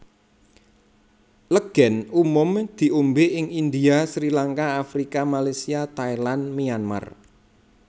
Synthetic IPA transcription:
ləɡ̥ɛ̤numʊmd̪̥i̤ʔumbeʔɪŋind̪iasɾilaŋkaafɾikamalasiat̪ailanmianma̰r

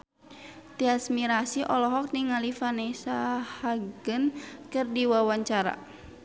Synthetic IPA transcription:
t̪iasmiɾasiʔɔlɔɦɔk̚niŋalifanɛsahaɡənkɨrdiwawaɲt͡ʃaɾa̰

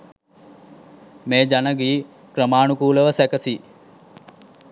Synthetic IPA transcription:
meːd͡ʒanəɡiː | krəmaːnukuːləʋəsækəsi

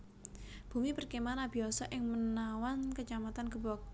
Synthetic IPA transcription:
b̥ṳmipərkimanab̥i̤asɔʔɪŋmənawankət͡ʃamat̪ankəbɔk̚

